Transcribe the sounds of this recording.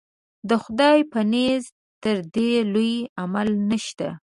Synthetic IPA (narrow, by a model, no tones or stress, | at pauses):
d̪əxʊd̪ɑjpanez | t̪əɾd̪elujamalnəʃt̪a̰